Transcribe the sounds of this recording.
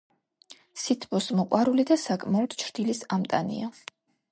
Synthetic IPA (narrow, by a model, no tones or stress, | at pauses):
sit̪ʰpɔsmɔqʼwaɾulid̪asakʼmaɔd̪ʰt͡ʃʰɾd̪̥ilisamt̪ʼa̰nḭa